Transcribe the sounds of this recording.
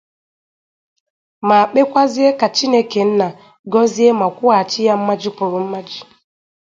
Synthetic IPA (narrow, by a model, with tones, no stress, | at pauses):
ma˨k͡pe˦kʷa˦zi˦e˦ka˨t͡ʃi˦ne˦ke˨n̩˦na˨ | ɡɔ˦zi˦e˦ma˨kʷʊ˦a˨t͡ʃɪ˦ja˦m̩˦ma˦d͡ʒi˦pʊ˨ɾʊ˨m̩˦ma˦d͡ʒi˨